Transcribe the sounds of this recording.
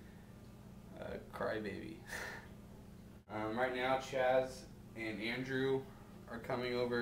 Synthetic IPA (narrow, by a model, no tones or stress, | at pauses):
ʌ̰kʰɹ̥a̰ɪbeɪbḭ | ʌ̃mɹaɪt̚ⁿnaʊt͡ʃʰæz | ɨ̃næ̃ndɹʉ | ʔə˞kʰʌmɪ̃ŋoʊvə˞